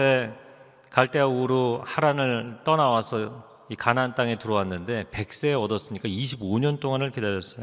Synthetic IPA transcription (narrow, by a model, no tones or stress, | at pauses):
e | kaɭt͈e̞auɾohaɾanɯɭt͈ʌnawasʰʌ | ikanɦant͈aŋe̞tuɾʌwanːɯnde̞pe̞k̚s͈e̞ːʌdʌs͈ɯɲik͈aiɕ̬ʰiboɲʌnt͈oŋanɯɭke̞daɾjʌs͈ʌjo